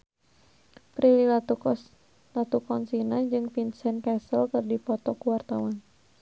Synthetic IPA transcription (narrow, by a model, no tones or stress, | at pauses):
pɾilil | lat̪ukɔnsinad͡ʒɨŋfinsɛnkɛsəlkɨrdipɔt̪ɔkuwart̪awan